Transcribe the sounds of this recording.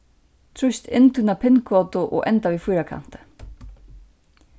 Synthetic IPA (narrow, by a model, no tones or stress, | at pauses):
t̪ʰɾust̪ʰɪnt̪ʰʏnapʰɪnkʰvɔt̪ʊʔɔ̰ɣʔɛ̰nt̪avifujɾakʰa̰n̥t̪ɪ̥